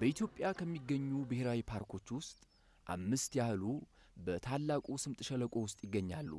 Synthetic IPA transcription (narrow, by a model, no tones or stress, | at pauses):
b̥əit̪ʰjo̞pʼjakʰəmːiɡːəɲːubɨheɾawipʰaɾkʰo̞t͡ʃːwʊst̪ʼ | ʔa̰mːɨst̪jahlu | bət̪ʰalːakʼusɨmt̪ʼɨʃələkʼo̞wʊst̪ʼjɪɡːəɲːalːṵ